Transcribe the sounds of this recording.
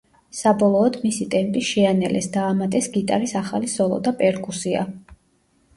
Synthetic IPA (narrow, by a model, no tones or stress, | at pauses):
sabɔlˠɔːd̪misit̪ʼɛmpʼiʃɛanɛlʔɛ̰sd̪aːmat̪ʼɛsɡit̪ʼa̰ɾisaχalisɔlˠɔ̰d̪apʼɛɾkʼusia̰